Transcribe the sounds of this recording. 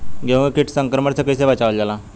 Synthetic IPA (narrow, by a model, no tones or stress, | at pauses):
ɡʱeʋkiʈʰsəŋkɾəməɾt͡səkəjseʋat͡ɕaʋəld͡ʑala